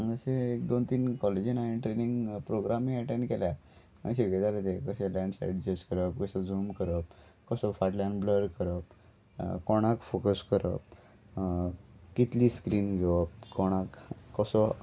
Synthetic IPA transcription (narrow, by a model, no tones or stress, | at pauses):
əɡəseek̚d̪ont̪iːnkɔled͡ʑinaiɳʈɾeniŋɡpɾoɡɾamĩəʈeɳɖkelja | ə̰ɕeɡed̪aɾet̪ekəɕɛlɛ̃ɳɖsa̰jɖd͡ʑesʈkəɾəp̚kəsẽd͡zuːmkəɾəp̚kəsɔfaʈlãnbləɾkəɾəp̚ | kɔɽ̃akfokəskəɾə̰p̚ | kit̪liːskɾiːnɡʱeʋəp̚kɔɽ̃akːəsɔ